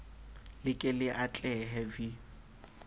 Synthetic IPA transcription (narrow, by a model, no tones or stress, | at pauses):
lɪkʼɪlɪʔat͡ɬʼɛɦɛvi